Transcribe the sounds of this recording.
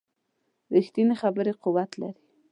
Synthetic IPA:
ɾixt̪inexabəɾeqʊwat̪la̰ɾi̥

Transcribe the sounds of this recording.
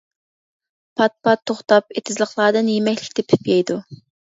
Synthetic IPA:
pʰɑt̪̚pɑt̪ʰːoχt̪ɑpet̪ʰɪzlˠəχlˠɑːd̪ɨnjemɛkʲlɪkʲt̪ʰɛpʰy̥pjɛjd̪u

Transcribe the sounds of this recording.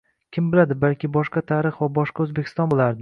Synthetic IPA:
kʲʰɪmbɪlad̪ɪbalkʲɪbɒʃqɑt̪ʰaɾɨχvabɒʃqɑɵzbekʰʲɪ̥st̪ɒnbolˠaɾd̪ɪ

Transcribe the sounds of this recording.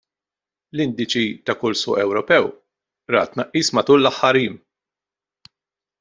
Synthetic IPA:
lɪnd̪it͡ʃit̪ɐkʊlsʊ̰ːʔɛwɾɔpɛw | ɾɐ̰ːt̪ːnɐʔːiːsmɐt̪uːlːɐħːɐɾiːm

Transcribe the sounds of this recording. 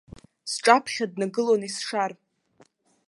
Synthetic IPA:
sʈ͡ʂʼapʰχʲadnaɡɨlonisʂar

